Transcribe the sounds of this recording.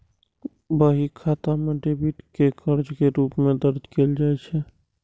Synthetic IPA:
bəɦikʰat̪ameɖebiʈkekəɾd͡ʒkeɾuːpmẽd̪əɾd͡ʒʱkeld͡ʒaːɛt͡ʃʰɛ

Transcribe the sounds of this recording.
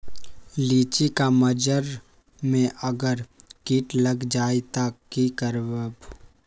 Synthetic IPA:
liːt͡ʃikaməd͡ʒəɾ | mẽʔəɡəɾkiːʈləɡd͡ʒaːet̪akːikəɾbəb

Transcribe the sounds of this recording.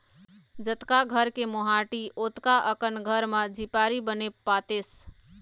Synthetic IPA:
d͡ʒət̪kaɡʱəɾkemoɦaʈiot̪kaʔəkənɡʱəɾməd͡ʒʱipaɾibəneat̪es

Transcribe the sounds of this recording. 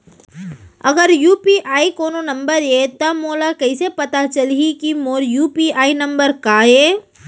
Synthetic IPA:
ɐɡəɾjuːpiʔaːikoːnonɐ̃mbəɾet̪ɐmoːlakɐisepɐt̪at͡ʃɐlikimoːljuːpiaːinɐ̃mbəɾkaeː

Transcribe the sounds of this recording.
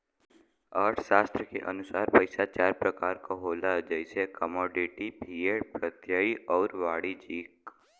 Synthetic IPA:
əːɾʈʰʃaːst̪ɾəkḛʔɐ̰nʊsaːɾpəɪsat͡ʃaːɾpɾəkaːɾkoɦoːlad͡ʒɛɪsekəmɔːɖɪʈibʱiːepɾət̪jaiɔːɾʋaːɽid͡ʒiːk

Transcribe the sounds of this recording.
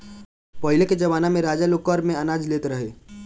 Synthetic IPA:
pɔɦɪleked͡ʒɐʋaːnamẽɾaːd͡ʒalokəɾmẽɐnaːd͡ʒleːt̪eɾɐɦeː

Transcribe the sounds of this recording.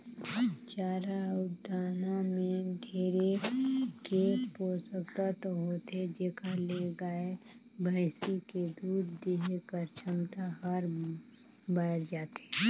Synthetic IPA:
t͡ʃaːɾaʊd̪ʱaːnõmẽɖʱeːɾekeːkpoːsəkt̪at̪ɦoːt̪ed͡ʒeːkaleɡae | bʱəɪsiked̪uːd̪d̪eːɦkəɾt͡ʃʰəmt̪aɦəɾ | bəd͡ʒaːt̪e̥ː

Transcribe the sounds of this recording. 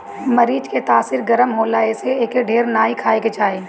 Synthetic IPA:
mɐɾiːd͡ʒket̪aːsiɾɡɐɾəmɦoːlaːeseeːkeɖʱeːɾnaːikʰaːeket͡ʃaːeː

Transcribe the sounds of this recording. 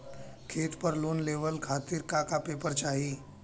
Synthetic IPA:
kʰeːt̪pəɾloːnleːʋəlkʰaːt̪ɪɾkakapeːpəɾt͡ʃaːɦiː

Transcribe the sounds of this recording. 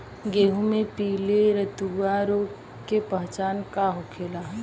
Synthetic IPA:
ɡeːɦũmẽpiːleɾət̪uaɾoː | kepəɦt͡ʃaːnkaɦʊkʰeːlaɦ

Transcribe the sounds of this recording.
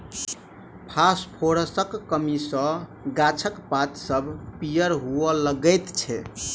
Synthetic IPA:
pʰaspʰoɾəsəkːəmisə̃ɡat͡ʃʰəkpat̪səbʱpijəɾɦuɔləɡət̪t͡ʃʰɛ̰

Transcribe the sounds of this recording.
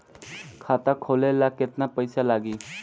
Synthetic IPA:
kʰat̪akʰolelaket̪napəjsalaɡi

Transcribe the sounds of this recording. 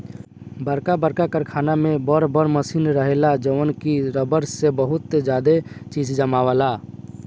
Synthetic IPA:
bəɾkabəɾkakəɾkʰaːnamẽbɔɾbɔɾməsiːnɾəɦelad͡ʒəʋənkiɾəbəɾsebəɦʊt̪d͡ʒaːd̪et͡ʃiːd͡ʒd͡ʒəmaːʋala

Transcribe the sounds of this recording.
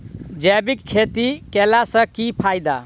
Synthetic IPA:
d͡ʒɛbikkʰːet̪ikelasə̃kipʰajd̪a̰

